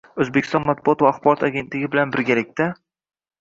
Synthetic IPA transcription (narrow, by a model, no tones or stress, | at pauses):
ɵzbekʲʰːɪst̪ɒnmat̪̚bʊɒt̪vaːχbɒɾɒt̪ʰaɡʲe̞nt̪lɪɡʲɪbɪlanbɪɾɡʲalɪk̚ʲt̪a